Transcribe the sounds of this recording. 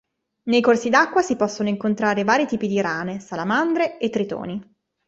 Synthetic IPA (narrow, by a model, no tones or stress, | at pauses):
nejkorsid̪akːwasipɔsːonoiŋkont̪ɾaːɾevaːɾit̪iːpid̪iɾaːnesalamand̪ɾeet̪ːɾit̪o̰ːni